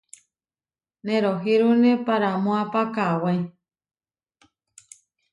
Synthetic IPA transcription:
nẽɾoɦiɾunepaɾamõapakawai

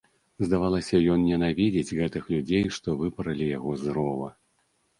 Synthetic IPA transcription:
zd̪avalˠɐsʲɐjɔnnʲɛnavʲid͡zʲed͡zʲɣɛt̪ɨxlʲud͡zʲejʂt̪ɔvɨpɐɾɐlʲijaɣɔzɾɔvɐ̰

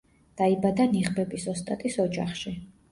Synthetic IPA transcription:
d̪̥aibad̪aniʁbɛbʼisɔst̪ʼat̪ʼisɔd͡ʒa̰χʃi

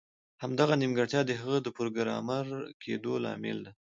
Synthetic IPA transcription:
hamd̪aɣanimɡəɽt̪jɑd̪əɦəɣəd̪əpʊɾɡəɾɑ̰maɾkʰed̪olɑ̰mɪ̰ld̪a

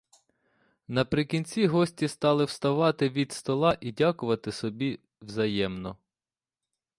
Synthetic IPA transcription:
nɐpɾɪkʲinʲt͡sʲiɦɔsʲtʲist̪ɑlˠɪwst̪ɐʋɑt̪ɪʋʲid̪st̪ɔlˠɑʔidʲakʊʋɐt̪ɪsɔbʲi | wzɐjɛmnɔ

